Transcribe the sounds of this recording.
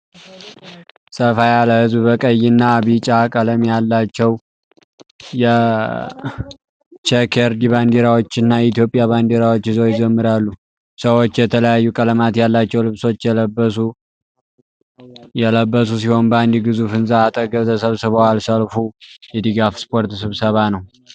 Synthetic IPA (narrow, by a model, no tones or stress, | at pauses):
səfajaləhɨzbbəkʼəjːɪnːaβit͡ʃʼakʼələmjalːat͡ʃːɛw | jɛ | t͡ʃɛkʰeɾd̪iβand̪eɾawo̞t͡ʃːɪnːajɛit̪ʰjo̞pʼjaβand̪eɾawo̞t͡ʃːhɨzojɪzəmːɨɾalːu | səwo̞t͡ʃːjɛt̪ʰələjajːukʼələmat̪jalːat͡ʃːɛwlɨβso̞t͡ʃːjɛləbːəs̬u | jɛləbːəs̬us̬iho̞nband̪iɡɨzufɨnzaːt̪ʼəɡəβt̪ʰəsəβsɨβəwalsəlfujɛd̪iɡafspʰo̞ɾt̪sɨβsəβanəw